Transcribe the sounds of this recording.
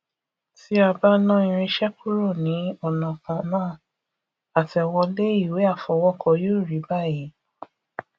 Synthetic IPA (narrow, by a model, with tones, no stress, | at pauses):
ti˦a˧ba˦nã˦ĩ˧˨ɾ̃ĩ˧ʃɛ˦ku˦ɾo˦˨nĩ˨˦ɔ˦˨nã˨kã˨nãː˦˨ | a˨tɛ˨wɔ˧le˦i˦˨we˨˦a˦˨fɔ˨˧˦wɔ˦kʰɔ˧jo˦˨ɾi˨˦ba˦˨ji˨˦